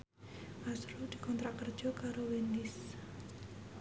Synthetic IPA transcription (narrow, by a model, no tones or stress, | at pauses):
masɾud̪̥i̤kɔnt̪ɾakərd̥ʒ̥ɔ̤kaɾowenɪs